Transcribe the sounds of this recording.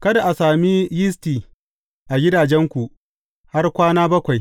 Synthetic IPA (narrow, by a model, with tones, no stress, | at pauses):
kɐ˦da˨ʔa˨saː˨mi˦jɪ˦stiː˨ | ʔa˨ɡʲɪ˦daː˨d͡ʒɛ˦ŋkʷu˨ʔ | ha˦rkʷaː˦naː˦bɐ˦kʷa˨j